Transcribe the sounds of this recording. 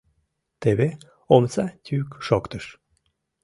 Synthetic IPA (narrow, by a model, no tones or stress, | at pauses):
t̪eβe | omt͡satʲykʃokt̪əʃ